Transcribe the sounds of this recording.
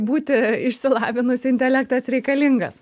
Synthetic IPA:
buːt̪ʲɪɪʃʲsʲɪlˠɑːʋʲɪnʊsʲɪnʲt̪ʲɛlʲækt̪ɐsɾʲɛɪkɐlʲɪŋɡɐ̰s

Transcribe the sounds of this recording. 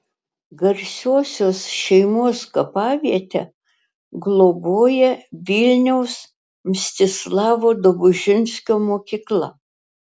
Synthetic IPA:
ɡɐɾʲsʲoɔsʲoːsʃʲɛɪmuɔskɐpɑːʋʲiɛt̪ʲɛ | ɡlˠoboːjɛʋʲɪlʲnʲɛʊs | mʲsʲt̪ʲɪslˠɑːʋoːd̪obʊʒʲɪnʲsʲkʲoːmoːkʲiːklˠɐ

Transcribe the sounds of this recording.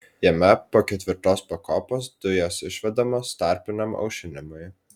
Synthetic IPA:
jɛmʲɛpoːkʲɛt̪ʲʋʲɪɾt̪oːspɐkoːpoːsd̪̥ʊjoːsɪʃʲʋʲɛd̪ɐmoːst̪ɑˑɾʲpʲɪnʲɛmɐ̰ʊʃʲɪnʲɪmʊj

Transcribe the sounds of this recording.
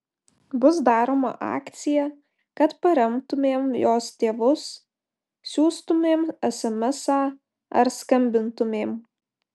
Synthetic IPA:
bʊsd̪ɑːɾoːmɐ̰ʔɑ̰ːkt̪sʲɪjɛ | kɐt̪pɐɾʲɐmt̪ʊmʲeːmjoːst̪ʲeːʋʊs | sʲuːst̪ʊmʲeːmɛsʲɐmʲɛsɑː | ɐ̰ɾskɐmʲbʲɪnt̪ʊmʲeːm

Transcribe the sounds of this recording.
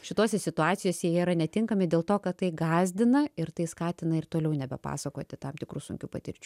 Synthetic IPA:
ʃʲɪt̪oːsʲɛsʲɪt̪ʊɑːt̪sʲɪjoːsʲɛjjɛːɾɐnʲɛt̪ʲɪŋkɐmʲɪdʲeːlˠt̪oːkɐtt̪ɐɪɡɑːzʲd̪ʲɪnɐɪɾt̪ɐɪskɑːt̪ʲɪnɐɪrt̪oːlʲɛʊnʲɛbʲɛpɑ̰ːsɐkoːt̪ʲɪt̪ɐmt̪ʲɪkɾuːsʊ̰ŋʲkʲuːpɐt̪ʲɪɾʲt͡ʃʲuː

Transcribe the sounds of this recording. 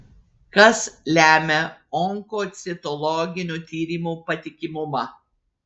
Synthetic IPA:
kɐslʲæːmʲeɔŋkoːt̪sʲɪt̪ɔlˠɔɡʲɪnʲuːt̪ʲiːɾʲiːmupɐt̪ʲɪkʲɪmʊmɐ

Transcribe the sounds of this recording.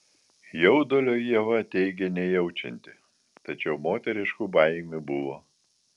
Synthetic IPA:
jɛʊd̪oːlʲoːjiɛʋɐɐt̪ʲɛɪɡʲɛnʲɛjɛʊt͡ʃʲɛ̰nʲt̪ʲɪ | t̪ɐt͡ʃʲɛʊmoːt̪ʲɛɾʲɪʃkʊbɐɪmʲʊbʊʋoː

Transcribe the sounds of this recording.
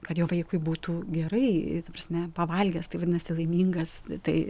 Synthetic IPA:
kɐt̪jɛʊʋɐɪkʊɪbuːt̪uːɡʲɛɾɐɪt̪ɐpɾɐsʲmʲɛpɐʋɐlʲɡʲɛst̪ɐɪʋɐdʲɪnɐsʲɪlˠɐɪmʲiːŋɡɐst̪ɐɪ

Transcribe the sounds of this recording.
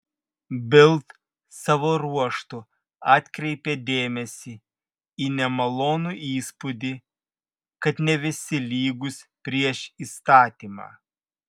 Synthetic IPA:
bʲɪlˠt̪ | sɑːʋoːɾuɔʃt̪ʊ | ɑːt̪ʲkɾʲɛɪpʲeːd̪ʲeːmʲɛsʲi | iːnʲɛmɐlˠoːnuʔiːspʊd̪ʲi | kɐt̪nʲɛʋʲɪsʲɪlʲiːɡʊsʲpʲɾʲiɛʃiːst̪ɑːt̪ʲiːmɑ̰ː

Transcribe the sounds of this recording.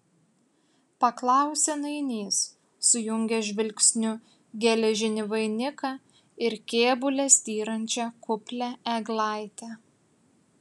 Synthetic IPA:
pɐklˠɑˑʊsʲɛnɐɪnʲiːs | sʊjʊŋʲɡʲɛʒʲʋʲɪlʲkʲsʲnʲʊ | ɡʲɛlʲɛʒʲɪnʲɪʋɐɪnʲɪkɑ | ɪɾkʲeːbʊlʲɛsʲt̪ʲiːɾɐnʲt͡ʃʲɛkʊpʲlʲɛɛɡlˠɑˑɪt̪ʲɛ

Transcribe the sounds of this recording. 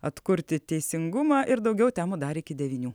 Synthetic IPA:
ɐt̪kʊɾʲt̪ʲɪt̪ʲɛɪsʲɪŋɡʊmɑːʔɪɾd̪ɒʊɡʲɛʊt̪ʲæːmoːd̪ɑːɾʲɪɪkʲɪd̪ʲɛʋʲiːnʲuː

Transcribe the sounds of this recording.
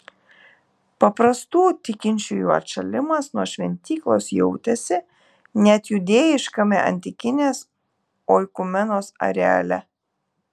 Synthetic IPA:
pɐpɾɐst̪uːt̪ʲɪkʲɪnʲt͡ʃʲujuːɐ̰ɾʃɐlʲɪmɐsnuɔʃʲʋʲɛnʲt̪ʲiːklˠoːsjɛʊt̪ʲɛsʲɪ | nʲɛt̪jʊd̪ʲeːjɪʃkɐmʲɛ̰ʔɐ̰nʲt̪ʲɪkʲɪnʲeːs | oːjkʊmʲɛnoːsɐ̰ɾʲɛ̰ɐ̰lʲɛ

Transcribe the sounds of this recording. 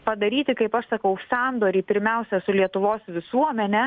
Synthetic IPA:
pɐd̪ɐɾʲiːt̪ʲɪkɐɪpɐʃsɐkɐʊsɑːnd̪oːɾʲiːpʲɪɾʲmʲɛʊsʲɛsʊlʲiɛt̪ʊʋoːsʋʲɪsuɔmʲɛnʲɛ

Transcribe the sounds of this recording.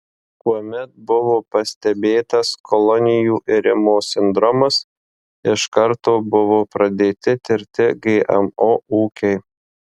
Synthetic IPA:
kuɔmʲɛt̪̚bʊʋoːpɐsʲt̪ʲɛbʲeːt̪ɐskʰɔlˠɔnʲɪjuːʔɪɾʲɪmoːsʲɪnd̪ɾɔmɐs | ɪʃkɐɾt̪oːbʊʋoːpɾɐd̪ʲeːt̪ʲɪt̪ʲɪɾʲt̪ʲɪɡɐʔɛ̰moːuːkʲɛɪ

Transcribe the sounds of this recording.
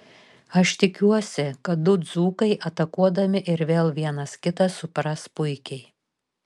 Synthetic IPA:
ɐʃt̪ʲɪkʲuɔsʲɪkɐt̪̚d̪ʊd̪zuːkɐɪʔɐt̪ɐkuɔd̪ɐmʲɪʔɪɾʋʲeːlˠʋʲiɛnɐskʲɪt̪ɐsʊpɾɐspʊɪkʲɛɪ

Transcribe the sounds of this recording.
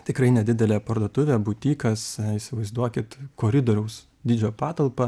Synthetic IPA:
t̪ʲɪkɾɐɪnʲɛd̪ʲɪd̪ʲɛlʲɛːpɐɾd̪oɔt̪ʊʋʲɛːbʊt̪ʲiːkɐsiːsʲɪʋɐɪzd̪uɔkʲɪt̪koːɾʲɪd̪oːɾʲɛʊs | d̪ʲiːd͡ʒʲoːpɑːt̪ɐlˠpɐ

